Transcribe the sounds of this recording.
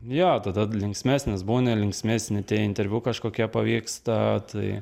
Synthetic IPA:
joːt̪ɐd̪ɐlʲɪŋksʲmʲæːsʲnʲɪsbuːnʲɛlʲɪŋksʲmʲæːsʲnʲɪt̪ʲiɛɪnʲt̪ʲɛɾʲʋʲukɐʃkoːkʲiɛpɐʋʲiːkst̪ɐt̪ɐɪ

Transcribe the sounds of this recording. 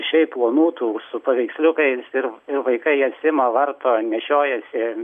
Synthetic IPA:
ʃʲɛɪppplˠoːnuːt̪uːsʊpɐʋʲɛɪksʲlʲʊkɐɪsɪɾɪrʋɐɪkɐɪɛtsʲɪmɐʋɐrt̪oːnʲɛʃʲoːjɛsʲɪ

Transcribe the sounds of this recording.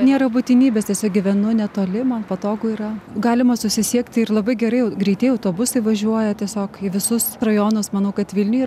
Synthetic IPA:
nʲeːɾɐbut̪ʲɪnʲiːbʲeːst̪ʲiɛsʲoːk̚ɡʲɪʋʲɛnʊnʲɛt̪oːlʲɪmɐnpɐt̪oːɡʊiɾɐɡɑːlʲɪmɐsʊsʲɪsʲiɛkt̪ʲɪrlˠɐbɐɪɡʲɛɾɐɪɐʊɡɾʲɛɪt̪ʲɛɪɐʊt̪oːbʊsɐɪʋɐʒʲuɔjɛt̪ʲiɛsʲoːkɪʋʲɪsʊsrɐjoːnʊsmɐnɐʊkɐt̪ʋʲɪlʲnʲʊjiː

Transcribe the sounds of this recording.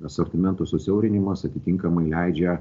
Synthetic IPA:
ɐsɐɾʲt̪ʲɪmʲɛnt̪osʊsʲɛʊɾʲɪnʲɪmɐsɐt̪ʲɪt̪ʲɪŋkɐmɐɪlʲɛɪd͡ʒʲɛ

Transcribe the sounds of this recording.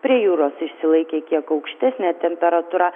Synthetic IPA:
pʲɾʲiɛjuːɾoːsɪʃʲsʲɪlˠɐɪkʲeːkʲiɛkɐʊkʃʲt̪ʲæsʲnʲæːt̪ʲɛmʲpʲɛɾɐt̪uːɾɑː

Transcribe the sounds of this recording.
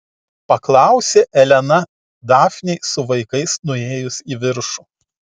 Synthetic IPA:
pɐklˠɑˑʊsʲeːʔɛlʲɛnɐ | d̪ɑːfʲnʲɛɪsʊʋɐɪkɐɪsnʊeːjʊsiːʋʲɪɾʃuː

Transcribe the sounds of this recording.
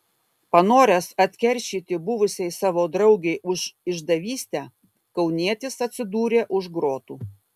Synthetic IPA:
pɐnoːɾʲɛsɐt̪ʲkʲɛɾʲʃʲiːt̪ʲɪbʊʋʊsʲɛɪsɑːʋoːd̪ɾɐʊɡʲɛɪʔʊʃɪʒd̪ɐʋʲiːsʲt̪ʲæ | kɐʊnʲiɛt̪ʲɪsɐt̪ʲsʲɪd̪uːɾʲeːʔʊʒɡɾoːt̪uː

